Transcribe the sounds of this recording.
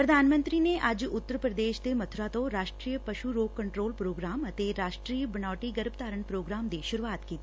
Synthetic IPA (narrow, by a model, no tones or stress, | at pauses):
pɾɐd̪ʱaːnmə̃nt̪ɾineʔɐd͡ʒʊt̪ːəɾpɾɐd̪eːʃd̪emɐt̪ʰʊɾat̪õɾaːʃʈɾiːjəpɐʃuɾoːkkɐɳʈɾoːlpɾoːɡɾaːmɐt̪eɾaːʃʈɾijəbɐnaːʈiɡəɾb̚t̪aːɾəɳpɾoːɡɾaːmd̪iʃʊɾuaːt̪kiːt̪i